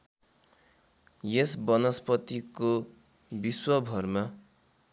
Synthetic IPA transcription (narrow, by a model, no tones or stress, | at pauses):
jesbʌnʌspʌt̪iko | biswʌbʱʌrma